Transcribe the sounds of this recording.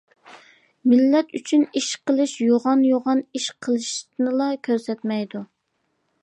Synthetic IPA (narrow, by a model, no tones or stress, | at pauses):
mɪlːɛt̪yt͡ʃʰyniʃqəlˠɨʃjoʁɑnjoʁɑniʃqʰəlˠɨʃnɨlˠɑkʲʰøɾsɛt̪mɛjd̪u